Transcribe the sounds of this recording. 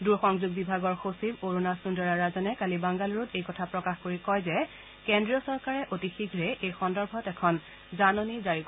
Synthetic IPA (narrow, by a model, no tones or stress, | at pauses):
duɹxɔŋzuɡ̚bibʱaɡɔɹxosiboɹonasundɔɹaɹazɔnɛkalibaŋɡaluɹutejkɔtʰapɹɔkaxkoɹikɔjzɛ | kendɹiɔsɔɹkaɹɛʔotixiɡʱɹɛʔejxɔndɔɹbʱɔtɛkʰɔn | zanonizaɹik